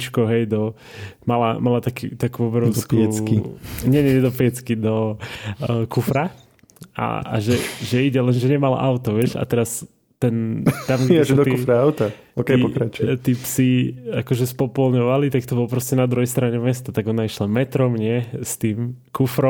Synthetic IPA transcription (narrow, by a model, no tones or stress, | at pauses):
t͡ʃkɔɦɛjd̪ɔ | mala̰malat̪akit̪akuɔbɾɔt̪ɛkiɲɛɲɛɲɛd̪ɔpiɛt͡skid̪ɔ | kufɾa | a̰a̰ʒɛʒɛiɟɛlɛnʒɛɲɛmala̰ʔaʊt̪ɔʋɪɛʃa̰t̪ɛɾas | t̪ɛnt̪amɡɛʒɛd̪ɔt̪kːufɾaaʊt̪a | okɛɔkɾat͡ʃut̪iːpsiakɔʒɛspɔpɔlɲɔʋalit̪akt̪ɔbɔlɔpɾɔscɛnad̪ɾuɦɛjst̪ɾaɲɛmɛst̪at̪aɡɔnaiʃlamɛt̪ɾɔmɲɪɛst̪iːmkufɾɔ